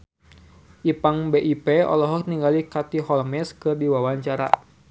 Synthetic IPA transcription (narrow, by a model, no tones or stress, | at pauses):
ʔipaŋbeʔipeɔ̰lɔɦɔk̚niŋɡalikat̪iɦɔlmɛskɨrdiwawaɲt͡ʃaɾa̰